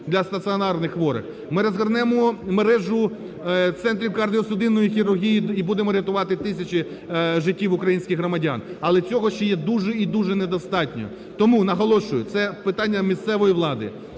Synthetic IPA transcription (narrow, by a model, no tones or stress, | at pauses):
d̪lʲɐst̪ɐt̪sɨɔnɑrnɪxʋɔɾɪ̰x | mɪɾɔzɦɐrnɛmɔmeɾɛʒʊ | t̪sɛnt̪ɾʲiwkɐrdʲiɔsʊd̪ɪnːɔjixʲiɾʊrɦʲijiibud̪emɔɾʲeɐt̪ʊʋɑt̪ɪt̪ɪsʲɐt͡ʃi | ʒɪtʲːiwʊkɾɐjinʲsʲkʲɪxɦɾɔmɐdʲɑ̰nɐlˠɛt͡sʲɔɦɔʃt͡ʃɔjɛd̪uʒɛid̪uʒɛned̪ɔst̪ɑtʲnʲɔ̰ | t̪ɔmunɐɦɔlˠɔʃʊjʊt̪sɛpɪt̪ɑnʲːɐmʲist̪sɛʋɔjiʋlˠɑd̪ɪ̰